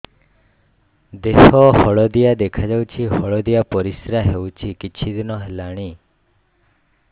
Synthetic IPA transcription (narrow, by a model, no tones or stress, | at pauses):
d̪eɦɔhɔɭɔd̪ijad̪ekʰad͡ʒawt͡ʃʰiɦɔɭɔd̪ijapɔɾisɾaɦewt͡ʃʰikit͡ʃʰid̪inɔɦelaɽ̃i